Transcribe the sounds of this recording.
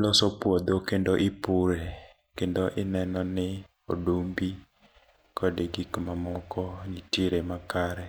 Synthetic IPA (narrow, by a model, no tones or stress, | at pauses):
lɔsɔpwod̪okendoʔɪpuɾe | kendoʔɪnɛnɔnɪ | odombi | kʰɔdɪɡikmamɔkɔnitiɾemakaɾɛ